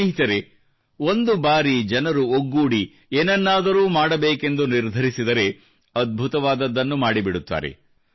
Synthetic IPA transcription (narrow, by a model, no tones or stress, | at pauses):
ɦit̪ɐɾe̞ | o̞nd̪ubaːɾid͡ʒɐnɐɾuoɡːuːɽi | eːnɐnːaːd̪ɐɾuːmaːɽɐbeːke̞nd̪uniɾd̪ʱɐɾisid̪ɐɾe̞ | ɐd̪̚bʱut̪ɐʋaːd̪ɐd̪ːɐnːumaːɽibiɽut̪ːa̰ːɾḛ